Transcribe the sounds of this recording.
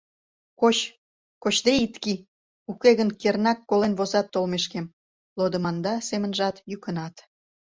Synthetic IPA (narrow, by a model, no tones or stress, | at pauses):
kot͡ɕ | kot͡ɕd̪eit̪ki | ukeɣənkernɑkːolenβozɑt̪ːolmeʃkem | lod̪ə̆mɑnd̪ɑsemənʒɑt̪jykə̆nɑt̪